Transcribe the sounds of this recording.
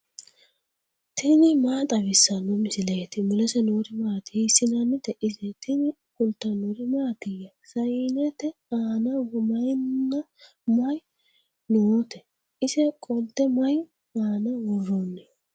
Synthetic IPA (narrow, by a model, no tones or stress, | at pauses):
t̪ʰɪnɪmaːt̪ʼɐβɪsːɐnʊmɪsɪlɐjɛt̪ɪmʊlɛsɛnoɾɪmaːt̪ɪɪsɪnɐnːɪt̪ɛʔɪzɛt̪ɪnɪ | kʊlt̪ːɐnɔɾɪmaːɡ̪ɪjːɐ | sɐjnɛt̪ɛaːnɐwmɐjnːɐ | mɐj | noːt̪ɛ | ɪsɛkʼɔlt̪ːɛmɐj | aːnɐwɔrːonːɛ